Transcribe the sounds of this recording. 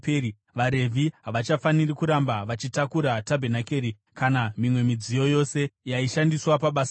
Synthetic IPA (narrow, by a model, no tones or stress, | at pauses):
peɾi | ʋaɾe̞vʱiɦaʋat͡ʃafanirikuɾambaʋat͡ʃitakuɾatabʱenakeːɾi | kanamimwe̞mid͡zijo̞jo̞se̞jaiʃandiswapaɓas